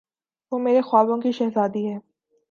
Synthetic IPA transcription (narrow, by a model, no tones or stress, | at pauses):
ʋoːmeːɾexʊaːbõkiʃɐɦzaːd̪iɦɛː